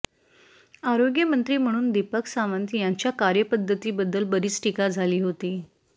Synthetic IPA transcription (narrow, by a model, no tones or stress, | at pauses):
aɾoɡjəmənt̪ɾiːm̤əɽ̃uːnd̪ipəksaʋənt̪jaɲt͡ɕjakaɾjəpəd̪ʱːət̪iːbəd̪ʱːəlbəɾiːt͡sʈikad͡zʱaliːɦot̪iː